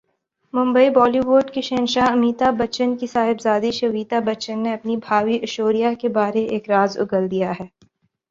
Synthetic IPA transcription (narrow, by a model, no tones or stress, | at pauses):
mʊ̃mbəibɔːliʋoːɖkiʃẽːnʃaɦɐmiːt̪abɐt͡ʃənkisaːɦɪbzaːd̪iʃɐʋiːt̪abɐt͡ʃənːeɐpnibʱaːʋiʔɐʃoːɾijakebaːɾeʔeːkɾaːzʊ̰ɡəld̪ijaɦɛː